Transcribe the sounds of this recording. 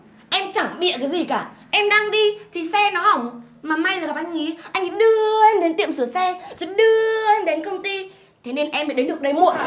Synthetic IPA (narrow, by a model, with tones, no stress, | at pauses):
ʔɛ˧mt͡ɕaː˧˩ŋɓḭ˧˨əkaː˨˦jzi˨˩kaː˧˩ʔɛ˧mɗa˧ŋɗi˧t̪ʰi˨˩sɛ˧nɔ˨˦ha˧˩wŋ͡m | maː˨˩ma˧jlaː˨˩ka˨˩p̚ʔa˧jŋ̟ŋḭ˨˦ʔa˧jŋ̟i˨˦ɗɨ˧əe˧mɗe˨˦nt̪ḭ˧˨əmsɨ˧˩sɛ˧zo˨˦ɗɨ˧əe˧mɗe˨˦nkə˧wŋ͡mt̪i˧ | t̪ʰe˨˦ne˧nʔɛ˧mːəː˨˦ɗə˨˦nɗɨ˨˩ək̚ɗə˨˦jmṵ˧˨ən